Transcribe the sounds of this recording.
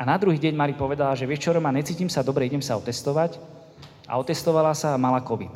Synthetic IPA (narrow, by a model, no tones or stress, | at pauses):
anad̪ɾuɦiːɟɛɲmaɾipɔʋɛd̪alaʒɛʋɛʃt͡ʃɔɾɔmanɲɛt͡siːcimsad̪ɔbɾɛiɟɛmsaɔt̪ɛst̪ɔʋac | a̰ɔt̪ɛst̪ɔʋalasaːmalakɔʋḭt̪